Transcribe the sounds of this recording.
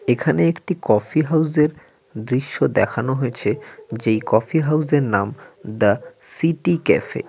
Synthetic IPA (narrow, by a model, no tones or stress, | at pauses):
ekʰaneekʈikɔfiɦawzeɾ | d̪ɾiʃːod̪ɛkʰanoɦoet͡ɕʰed͡ʑejkɔfiɦawzeɾnamd̪asiʈikḛfḛ